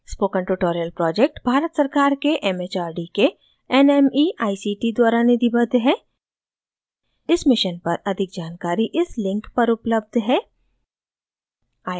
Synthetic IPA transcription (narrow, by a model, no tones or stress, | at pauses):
spoːkə̃ɳʈuʈoːɾijəlpɾɔːd͡ʒek̚ʈbʱaːɾət̪sɐɾkaːɾkeʔɛmet͡ʃaːɾɖike | ɛnɛmiːʔaːisiʈid̪waːɾaned̪ibɐd̪ʱɦɛː | ɪsmɪʃənpɐɾɐd̪ʱɪk̚d͡ʒaːnkaːɾiʔɪslɪ̃ŋkpɐɾʊpləb̚d̪ʱɦɛː | aː